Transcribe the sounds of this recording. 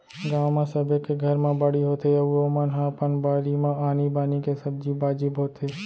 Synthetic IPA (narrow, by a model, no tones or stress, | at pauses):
ɡaːmãsəbʱekeɡʱɐɾmãbɐɽiɦoːt̪eɐʋuomɐnɦãpənbaːɽimãaːnibaːnikesɐb̚d͡ʒibaːd͡ʒiːbɦoːt̪ʰe